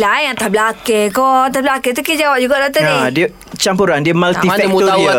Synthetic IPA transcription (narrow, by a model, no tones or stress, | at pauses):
lajãt̪ablakekɔnt̪ahblaket̪ukid͡ʒawap̚d͡ʒuɡaʔdat̪ənĩdiə | t͡ʃampuɾandiəmalt̪iafɛmuɔai